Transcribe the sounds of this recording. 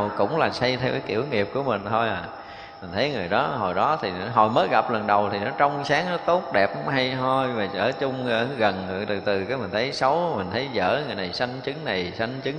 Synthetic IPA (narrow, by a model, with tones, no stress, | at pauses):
wkʊ̰˧˥ŋ͡mlaː˨˩sa˧jt̪ʰɛ˧wkaː˨˦jkḭ˧˩əwŋḭ˨˩əp̚ku˧˩əmï˨˩ŋ̟t̪ʰo˧jʔaː˨˩ | mï̟˨˩t̪ʰə˨˦jŋɨ˨˩əjɗɔ˨˦ɦo˨˩jɗɔ˨˦t̪ʰi˨˩˨ɦo˨˩jməː˨˦jɣa˨˩p̚lə˨˩nɗə˨˩wt̪ʰi˨˩nɔ˨˦t͡ɕɔ˧wŋ͡msaː˨˦ŋʔə˨˦t̪o˦˥t̚ɗɛ˨˩p̚ʔɦa˧jɦo˧jvaː˨˩ə̰ː˧˩t͡ɕʊ˧ŋ͡məː˧˩˦ɣə˨˩nɨ˨˧˩t̪ɨ˨˩t̪ɨ˨˩kaː˨˦jmï˨˩n̟t̪ʰə˨˦jsə˨˦wmï˨˩ŋ̟t̪ʰə˨˦jzə̰ː˧˥ŋɨ˨˩əjna˨˩jsa˧ŋt͡ɕɨ˨˦ŋna˨˩jsa˧ŋt͡ɕɨ˨˦ŋ